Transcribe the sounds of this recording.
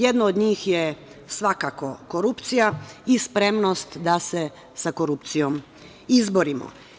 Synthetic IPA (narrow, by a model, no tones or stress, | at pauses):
jed̪naod̪ɲiːxje | sʋakako̞koɾupt̪sijaispɾe̞mnost̪d̪ase | sakoɾupt̪sijom | izboɾimo̰